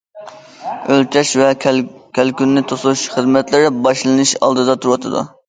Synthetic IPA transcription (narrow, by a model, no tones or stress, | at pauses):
ølt͡ʃʰɛʃvɛkʲʰɛlkʲynːɪt̪ʰosuʃχəzmɛt̪lɪɾɪbɑʃlˠɨnɨʃɑ̰lˠd̪ɨd̪ɑt̪ʰuɾwɑt̪ʰɨd̪ṵ